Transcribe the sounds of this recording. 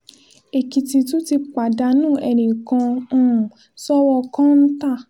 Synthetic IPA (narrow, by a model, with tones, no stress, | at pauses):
e˨ki˧ti˧tũ˦ti˧k͡pa˨da˨˧˦nũː˦˨ʔɛ˨nĩ˨kã˧˦˨ | sɔ˦wɔ˧kã˦n̩˦ta˦˨